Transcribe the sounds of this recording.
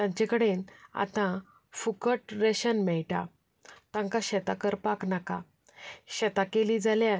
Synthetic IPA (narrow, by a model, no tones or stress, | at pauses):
t̪ãɲt͡ɕekəɽena̰t̪ã | fukəʈɾeɕənmɛɭʈa̰ | t̪ãŋkaɕɛt̪akəɾpaknaka̰ | ɕɛt̪akelid͡zalja